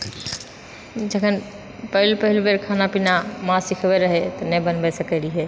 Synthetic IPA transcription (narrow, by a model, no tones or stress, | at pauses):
d͡ʒəkʰən | pəɦilpəɦilbeɾkʰanapinamãsikʰbeɾəɦɛt̪ɔnɛbənbɛsəkɛliɦe